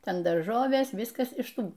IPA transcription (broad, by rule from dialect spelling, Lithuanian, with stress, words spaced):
ˈtʲɛn dɐrˈʒoːʋʲeːs ˈʋʲɪskɐs ɪʃ ˈtuː